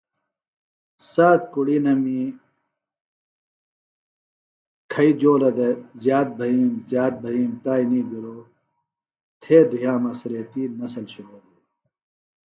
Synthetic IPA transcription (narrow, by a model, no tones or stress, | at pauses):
saːt̪̚kuɽiːnɐmi | kʰɐid͡ʑoːlɐd̪ezjaːt̪̚bʱɐɦiːmzjaːt̪̚bʱɐɦiːmt̪aːiniːɡiɾoː | t̪ʰeːd̪ʱujãːmɐsɾeːt̪iːnɐsɐlɕuloːɾu